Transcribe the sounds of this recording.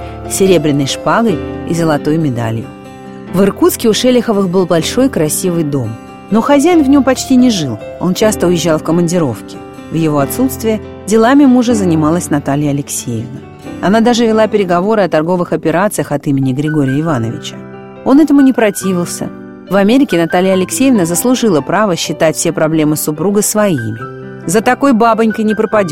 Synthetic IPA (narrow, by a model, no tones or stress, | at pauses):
sʲɪɾʲe̞bɾʲɪnːɨjʂpaɡəɾʲḭzəlˠɐt̪o̞jmʲɪd̪a̰lʲjɪ̰ | vɨrkut̪skʲɪʊʂɛlʲɪxəvɨxbɨlˠbɐlʲʂo̞jkɾɐsʲivɨjd̪o̞m | no̞xɐzʲæjɪnvnʲo̞mpɐt͡ɕtʲinʲɪʐɨlˠo̞̰nt͡ɕast̪əʊjɪʑːalˠfkəmənʲdʲɪɾo̞fkʲɪ̥ | vjɪvo̞ɐt̪sut̪st̪vʲɪjə | dʲɪlˠamʲɪmuʐɨzənʲɪmalˠəsʲnɐt̪alʲɪjəɐlʲɪksʲejɪvnə | ɐnad̪aʐɨvʲɪlˠapʲɪɾʲɪɡɐvo̞ɾɨɐt̪ɐrɡo̞vɨxɐpʲɪɾat̪sɨjəxɐt̪imʲɪnʲɪɡɾʲɪɡo̞ɾʲɪjəɪvanə̰vʲɪ̰t͡ɕə̥ | o̞nɛt̪əmʊnʲɪpɾɐtʲivʲɪlˠsʲə̰ | vɐmʲeɾʲɪkʲɪnɐt̪alʲɪjəɐlʲɪksʲejɪvnəzəslˠʊʐɨlˠəpɾavəɕːɪt̪atʲfsʲe̞pɾɐblʲe̞mɨsʊpɾuɡəsvɐimʲɪ | zət̪ɐko̞jbabɨnʲkəjnʲɪpɾəpɐdʲ